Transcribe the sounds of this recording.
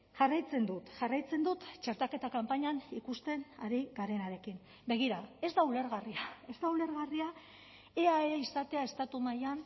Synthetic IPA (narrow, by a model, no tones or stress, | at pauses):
ʝarajt͡se̞nd̪ut̪ʝarajt͡se̞nd̪ut̪t͡ʃe̞ɾt̪ake̞t̪akampaɲanikust̪e̞naɾiɣaɾe̞naɾe̞kin | be̞ɣ̞iɾae̞zd̪aule̞ɾɣariae̞zd̪aule̞ɾɣaria | eaeisat̪e̞ae̞st̪at̪umajan